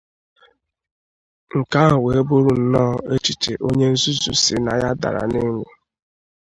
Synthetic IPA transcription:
ŋ̩˨ka˦˨we˨e˦bo˦ɾu˨n̩˨nɔː˦˨e˦t͡ʃi˨te˨ʔo˦ɲe˦n̩˦zu˦zu˨si˨na˨ja˦da̰˨ɾa̰˨ne˦ŋ˦ŋe˨

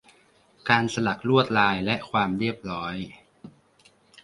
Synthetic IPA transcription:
kaː˧nsa˧la˨˩k̚ɾu˥˩ət̪̚laː˧jlɛ˦˥ʔkʰwaː˧mɾi˥˩əp̚ɾɔː˦˥j

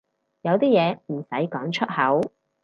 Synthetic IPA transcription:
jɐ˨˧wt̪iː˥jɛː˨˧m̩˨˩sɐ˨˥jkɔː˨˥ŋt͡ʃʰɵ˥t̚hɐ˨˥w

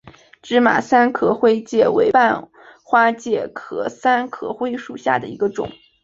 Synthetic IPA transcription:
ʈ͡ʂɻ̩˥ma̰˨˩sa˥nkʰɤ˨˩xwe˥ɪt͡ɕjɛ˥˩we˧˥ɪpa˥˩n | xwa˥t͡ɕjɛ˥˩kʰɤ˨˩sa˥nkʰɤ̰˨˩xwe˥ɪʂu˨˩ɕja̰˥˩d̪ə˩i˧˥ɡə˧ʈ͡ʂʊ̰˨˩˦ŋ

